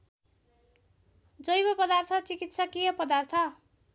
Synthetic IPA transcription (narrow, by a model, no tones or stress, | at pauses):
d͡zʌjbʌpʌd̪art̪ʰʌt͡sikit̪sʰʌkijʌpʌd̪art̪ʰʌ